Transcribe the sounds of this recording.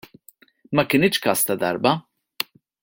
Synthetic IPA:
mɐkɪnɪt͡ʃkɐst̪ɐd̪ɐ̰ɾbɐ

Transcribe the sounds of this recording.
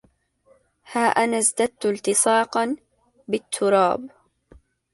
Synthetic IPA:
haːʔanazd̪ad̪̚t̪ʊlt̪ɪsˤɑːqɑn | bɪt̪ʰːʊɾˤɑːb

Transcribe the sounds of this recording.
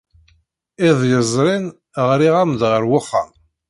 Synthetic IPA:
ɪðˤjəzˤɾˤin | ʁɾiʁamd̪ʁəɾwʊχːa̰m

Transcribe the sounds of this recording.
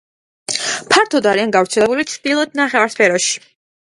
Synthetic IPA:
pʰaɾt̪ʰɔd̪aɾianɡavɾt̪sʰɛlɛbulit̪sʰd̪̥ilˠɔd̪̚naχɛvaɾspʰɛɾɔʃi̥

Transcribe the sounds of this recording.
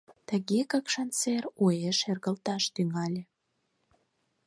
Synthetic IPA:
t̪əɣekəkʃɑnt͡serojeʃerɣəlt̪ɑʃt̪yŋɑlʲĕ

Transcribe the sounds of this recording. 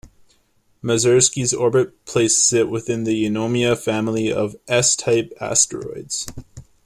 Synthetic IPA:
mɨzɜ˞skizɔɹbɨt̚pʰl̥eɪsɨz̥ɪʔwɪθɪ̃nðɨjɨnõʊ̃miɨfæ̃ml̩ˠiʌ̰vʔɛstʰaɪpæ̰stə̰˞ɔ̰ɪdz̥

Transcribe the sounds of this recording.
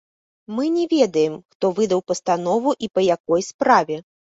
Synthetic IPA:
mɨnʲɛvʲɛd̪ɐjɛmxt̪ɔvɨd̪ɐwpɐst̪anɔvuʔipɐjakɔjspɾavʲɛ

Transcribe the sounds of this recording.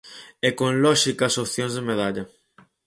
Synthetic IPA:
ekõnlɔʃikɐsopθjõnzðemeð̞aʎɐ

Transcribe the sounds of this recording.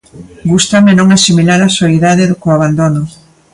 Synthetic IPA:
ɡust̪amenõŋasimilaɾasoiðaðeðʊkoaβ̞and̪onʊ

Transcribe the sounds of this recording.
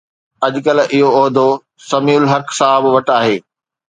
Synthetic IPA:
ɐʄkɐlʔɪɦoɔːɦd̪o | sɐmiːʊlɦɐksaːɦɪbʋɐʈaːɦeː

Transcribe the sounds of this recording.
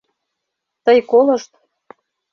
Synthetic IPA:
t̪əjkolɤ̆ʃt̪̚

